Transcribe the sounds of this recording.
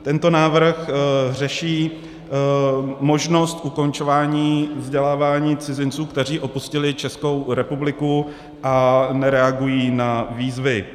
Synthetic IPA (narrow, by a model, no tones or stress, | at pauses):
t̪ɛnt̪o̞naːvr̩xr̝ɛʃiː | mo̞ʒno̞st̪ʔuko̞nt͡ʃo̞vaːɲiːvzɟɛlaːvaːɲiːt͡sɪzɪnt͡suːkt̪ɛr̝iːʔo̞puscɪlɪt͡ʃɛsko̞wɾɛpublɪku | ʔanɛɾɛaɡujiːnaviːzvɪ